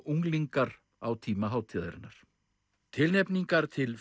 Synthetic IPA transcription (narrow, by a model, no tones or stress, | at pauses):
uŋliŋkaɾ | awt̪ʰiːmaɦaːwt̪ʰiːðaɾɪ̰nːaɾ̥ | t̪ʰɪlnɛpniŋkaɾ̥t̪ʰɪl